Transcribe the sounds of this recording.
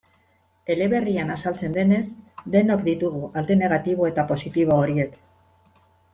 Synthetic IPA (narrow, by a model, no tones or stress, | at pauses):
e̞le̞βe̞rianasalt͡se̞nd̪e̞ne̞zd̪e̞no̞kd̪it̪uɣ̞uʔalt̪e̞ne̞ɣ̞at̪iβ̞o̞e̞t̪apo̞sit̪iβ̞o̞ːɾie̞k